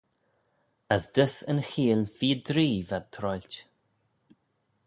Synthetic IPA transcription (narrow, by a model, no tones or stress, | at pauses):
əsd̪əsə̰nxiːlfiːd̪ɾiːvad̪̚t̪ʰɾɔjlʲt